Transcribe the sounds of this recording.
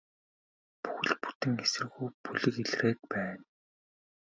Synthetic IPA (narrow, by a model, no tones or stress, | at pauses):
pu̥xɘ̆ɮpu̥t̪ɘ̆ŋesɘ̆rɣujpuɮɘ̆keɮreːt̪̚pæːn